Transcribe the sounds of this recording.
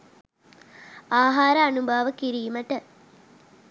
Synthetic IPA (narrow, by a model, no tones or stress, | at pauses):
aːɦaːɾəɐnubʱaːʋəkiɾiːməʈə